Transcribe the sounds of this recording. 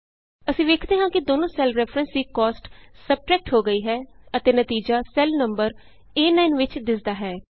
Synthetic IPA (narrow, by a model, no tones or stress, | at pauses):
əsĩːʋeːkʰd̪eːɦãːkɪd̪oːnõːsɛːlɾɛːpʰɾə̃nsd̪iːkɔːsʈsəb̚ʈɾɛːk̚ʈɦoːɡəiːɦɛːət̪eːnət̪iːd͡ʒaːsɛlnəmbəɾ | eːnaːɪnʋɪt͡ʃd̪ɪsd̪aːɦɛː